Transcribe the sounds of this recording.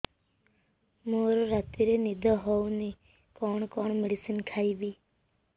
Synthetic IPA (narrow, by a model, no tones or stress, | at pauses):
moɾɾat̪iɾenid̪ʱɔɦɔwni | kɔɳkɔɳ̃meɽisinkʰaibi